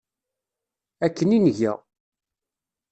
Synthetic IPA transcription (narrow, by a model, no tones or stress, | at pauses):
ækːəninəʝæ̰